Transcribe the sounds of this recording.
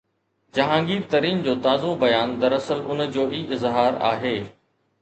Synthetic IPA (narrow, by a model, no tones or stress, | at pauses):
d͡ʑɐɦãːŋɡiːt̪ɐɾiːnd͡ʑoːt̪aːzõbɐjaːnd̪ɐɾɐsəlʊnd͡ʑoːʔiːʔɪzɦaːɾa̰ːɦeː